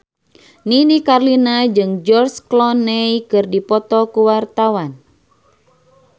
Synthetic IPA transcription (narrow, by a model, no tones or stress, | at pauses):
ninikarlinad͡ʒɨŋd͡ʒɔrsklɔnɛjkɨrdipɔt̪ɔkuwart̪awan